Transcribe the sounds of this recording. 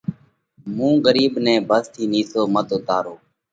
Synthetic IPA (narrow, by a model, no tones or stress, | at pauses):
mũːɠəɾiːbnɛ̃ːbʱəzt̪ʰiːniːsoːmət̪ʊt̪aːɾoː